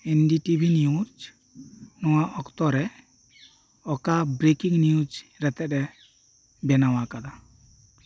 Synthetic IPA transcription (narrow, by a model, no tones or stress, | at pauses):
ɛnɖiʈibʱinijud͡ʒ | nɔwaɔkt̪ɔɾɛ | ɔkabɾekiŋnijud͡ʒɾɛt̪ɛɗɛ | bɛnawakad̪a